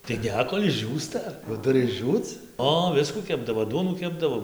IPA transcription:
tɐɪ ˈnʲɛ ˈkoːlʲ ɪʒʲˈd͡ʒʲuːstɐ jɛʊ ˈtʊrʲɪ ɪʒʲˈd͡ʒʲuːt͡s ˈoː ˈʋʲɪskuː ˈkʲæːbdɐʋoː ˈduɔnuː ˈkʲæːbdɐʋoː

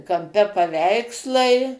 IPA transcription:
kɐmʲˈpʲɛ pɐˈʋʲɛɪkslˠɐɪ

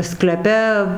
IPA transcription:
sklʲɛˈpʲɛ

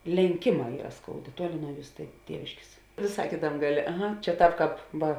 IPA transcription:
lʲɛŋʲˈkʲeːˌmɑː ˈiːrɐ ˈskoːʊˌdʲeː ˈtuɔˌlʲɪ nuɔ ˈjuːs tʲeː ˈtʲiɛʋʲɪʃʲkʲeːs ʋʲeːˈsɐɪ ˈkʲeːtɐmʲ ˈɡɑːˌlʲeː ɐˈɣɐ t͡ʃʲɛ ˈtɑːp ˈkɑːp ˈʋɐ

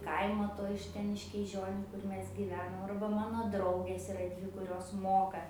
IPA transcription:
ˈkɐɪmoː ˈtoː ɪʃ ˈtʲɛn ɪʃ kʲiːˈʒʲoːnʲʊ ˈkʊr ˈmʲɛs ɡʲiːˈʋʲæːnoːm ɐrbɐ ˈmɑːnoː ˈdrɐʊɡʲeːs ɪˈrɐ ˈdʲʋʲɪ kʊˈrʲoːs ˈmoːkɐ

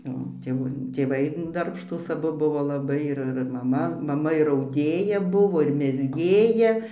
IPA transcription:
oː tʲeːˈʋuː tʲeːˈʋɐɪ dɐrpʃˈtuːs ɐˈbʊ ˈbʊʋoː lˠɐˈbɐɪ ˈɪr ɪr mɐˈmɐ ˈmɑːmɐ ɪr ɐʊˈdʲeːjɛ ˈbʊʋoː ɪr mʲɛzʲˈɡʲeːjɛ

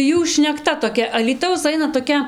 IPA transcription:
ˈjuː ʃʲnʲɛkˈtɐ toːˈkʲɛ ɐlʲiːˈtɐʊs ˈɐɪnɐ toːˈkʲɛ

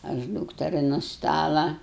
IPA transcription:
ɐʃ ˈduːktʲɛrʲɪ nʊ ˈstɑːlˠɐ

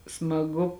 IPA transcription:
smɐˈɡʊ

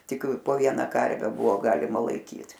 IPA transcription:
ˈtʲɪk poː ˈʋʲiɛnɐ ˈkɐrʲʋʲɛ ˈbʊʋoː ˈɡɑːlʲɪmɐ lˠɐɪˈkʲiːt

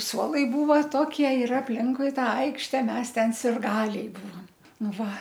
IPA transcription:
ˈsuɔlˠɐɪ ˈbuːʋɐ ˈtoːkʲiɛ ɪr ɐpʲˈlʲɪŋkʊɪ ˈtɑː ˈɐɪkʃʲtʲɛ ˈmʲɛs ˈtʲɛn sʲɪrˈɡɑːlʲɛɪ ˈbuːʋɐm ˈnʊ ˈʋɐ

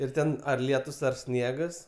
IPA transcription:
ɪr ˈtʲɛn ɐr ˈlʲiɛtʊs ɐr ˈsʲnʲiɛɡɐs

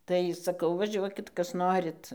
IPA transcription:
ˈtɐɪ sɐˈkɐʊ ʋɐˈʒʲuɔkʲɪt ˈkɐs ˈnoːrʲɪt

